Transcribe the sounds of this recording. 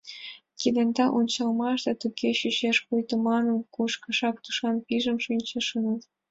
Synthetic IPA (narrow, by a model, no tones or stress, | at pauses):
kid̪ĕnd̪ɑʔunʲt͡ɕɑlmɑʃd̪ɑt̪ukʰeɕyɕeʃpujt̪ə̆mɑnɤ̆nkuʃkɤ̆ʃɑk̚t̪u̥ʃɑnpiʒə̆mʃynʲt͡ɕə̆ʃɤ̆nət̪